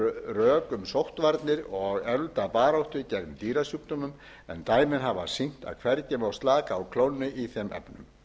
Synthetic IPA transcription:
rœːkʏmsowht̪vaɾt̪nɪɾɔɣɛlt̪apaːɾowht̪ʏcɛkmt̪iːɾasjuːpt̪ɔmʏm | ɛ̰nt̪aːjmɪnɦavasin̥t̪a̰ðkʰvɛɾcɛmawst̪laːkaːwkʰlownːɪʔiθɛmʔɛ̰pnʏm

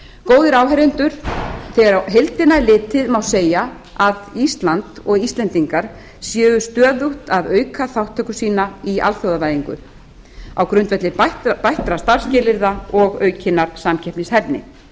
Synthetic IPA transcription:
koːwðɪɾaːwɦɛɾɪnt̪ʏɾ̥θɛɣaɾaɦejlt̪ɪnːalɪːt̪ɪðmawseːja | aðist̪lant̪ɔɣist̪lɛnt̪iŋkaɾ̥ | sjɛːvʏst̪œːðuht̪aðœːɥkʰaθawht̪ʰːœkʏsiːnaia̰lθjowðavaːjðiŋkʏ̰ | a̰wkɾʏnt̪vɛht̪lɪpajht̪ɾast̪aɾ̥scɪːlɪɾðaɔɣœːɥcʰɪnːaɾsamcʰɛhpnɪshɛpnɪ̰

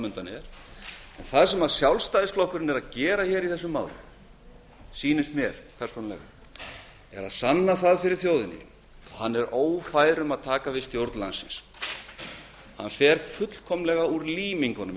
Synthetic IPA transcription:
mʏnt̪anɪɛɾ̥ɛnθaðsɛmaðsjawlst̪ajðɪsflɔhkʏɾɪnɛɾaðcɛːɾaçɛɾiθɛsːʏmːaːwlʏ̰m | siːnʏst̪mjɛɾ̥pʰɛɾ̥sonalɛ̰ɣa̰ | ɛɾa̰ðsanːaθaðfɪɾɪɾ̥θjowðɪnɪ̰ | ɔhanːɛɾoːwfaːjɾʏmaðt̪ʰaːkavɪðst̪jowɾt̪nla̰nsɪ̰ns | ha̰nfɛɾfʏt̪l̥kʰɔmlɛɣauɾliːmiŋkɔnʏm

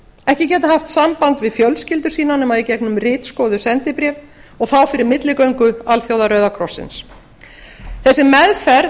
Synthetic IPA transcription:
ɛhcɪcɛːt̪ahaft̪sampant̪vɪðfjœlscɪlt̪ʏ̥siːnanɛmaðicɛknʏmrɪːt̪skoːðʏsɛnt̪ɪpɾɛːv | ɔɣθawfɪɾɪɾmɪt̪lɪkœɥŋkʏalθjowðaɾœːɥðakʰɾɔsːɪ̰ns | θɛsːɪmɛðfɛɾ

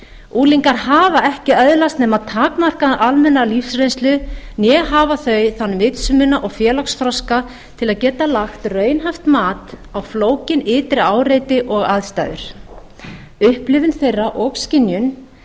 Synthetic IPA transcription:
uːliŋkaɾ̥ɦaːvaɛhcɪœðlast̪nɛːmaðt̪ʰaːkmar̥kaʔalmɛnːalifsrejnst̪lʏnjɛɦaːvaθœɥθanːmɪt̪sʏmʏnaʔɔɣfjɛːlaksθɾɔska | t̪ʰɪlaðcɛːt̪alaxt̪rœːɥnɦaft̪maːt̪awfloːwcɪnɪːt̪ɾɪaːwɾejt̪ɪʔɔɣaðst̪a̰jðʏ̰ɾ̥ | ʏhplɪvʏnθejrːaʔɔkscɪnjʏn

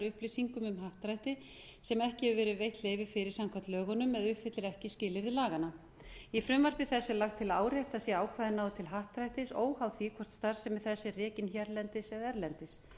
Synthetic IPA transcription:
ɾʏhplisiŋkʏmʏmɦaht̪ɾajht̪ɪ | sɛmɛhcɪhɛvʏvɛːɾɪðvejht̪leːjvɪfɪɾɪɾ̥samkʰvat̪lœːɣɔnʏmːɛðʏhfɪt̪lɪɾɛhcɪscɪːlɪðɪlaːɣana | jifɾʏmvar̥pɪθɛsːʏlaxt̪ʰɪlaaːwɾɛht̪asjɛaːwkʰvaːjðɪnːaːwðɪt̪ʰɪlɦaht̪ɾajht̪ɪsoːwhawθikʰvɔr̥t̪st̪aɾsɛmɪθɛsːɪrɛːcɪnçjɛɾlɛnt̪ɪsɛðɛɾlɛnt̪ɪs

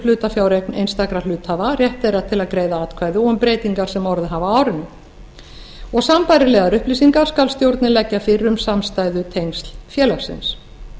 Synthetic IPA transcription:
lʏːt̪afjaːwɾejknḛjnst̪akɾalʏːt̪havarjɛht̪ejɾat̪ʰɪlaðkɾeːjðaat̪kʰvaːjðʏɔmpɾeːjt̪iŋkaɾ̥sɛmɔɾðɪɦavaaːwɾɪnːʏ | ɔɣsampajɾɪlɛːɣaɾʏhplisiŋkaɾ̥skalst̪jowɾt̪nɪlɛcːafɪrːʏmsamst̪aːjðʏt̪ʰejŋst̪l̥fjɛːlafsɪ̰ns

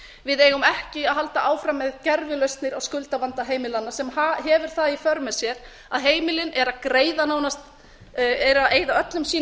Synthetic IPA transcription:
vɪðeːjɣʏmɛhcɪaðɦalt̪aʔaːwfɾamːɛðcɛɾvɪlœɥst̪nɪɾawskʏlt̪avant̪aɦeːjmɪlanːasɛmaɦɛvʏɾ̥θaðifœɾmɛsjɛɾ | aðɦeːjmɪlɪnʔɛɾakɾeːjðanaːwnast̪ | ɛɾaeːjðaœt̪lʏmsiː

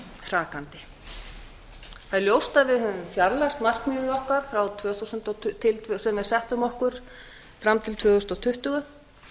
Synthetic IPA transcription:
r̥aːkant̪ɪ | θaðɛɾljowst̪avɪðhœvʏmfjaɾlast̪mar̥kmjʏːɣʏðɔhkaɾ̥fɾawt̪ʰvœːθusʏnt̪ɔtt̪ʰɪlt̪ʰvœsɛmvɪðsɛht̪ʏmɔhkʏɾ̥ | fɾamt̪ʰɪlt̪ʰvœːθust̪awt̪ʰʏht̪ʏɣa

